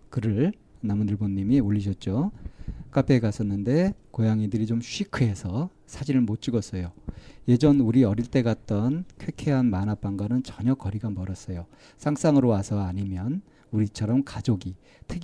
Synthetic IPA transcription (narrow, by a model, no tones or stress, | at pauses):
kɯɾɯɭ | namundɯɭbonːimioʎːiɕʰʌt̚t͡ɕ͈o | k͈apʰeɡas͈ʌnːɯnde̞kojaŋidɯɾit͡ɕomɕʰuikʰɯɦe̞sʰʌ | sʰad͡ʑiɾɯɭmot̚t͡ɕ͈uɡʌs͈ʌjoje̞d͡ʑʌnuɾiʌɾiɭt͈e̞ɡat̚t͈ʌnkʰwekʰe̞ɦanmanap͈aŋɡanɯnt͡ɕʌɲʌkʌɾiɡamʌɾʌs͈ʌjo | sʰaŋs͈aŋɯɾowasʰʌaɲimjʌn | uɾit͡ɕʰʌɾʌmkad͡ʑoɡi | tʰɯk